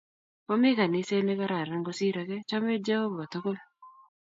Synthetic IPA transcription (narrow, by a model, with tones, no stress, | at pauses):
o˦mɪ˦ka˨nɪ˦se˦ne˦ka˦ɾa˨ɾa˦ŋɡo˦si˦ɾa˨kɛ˦t͡ʃa˦me˦d͡ʒa˦ho˦bo˨a˨t̪o˦ko˦l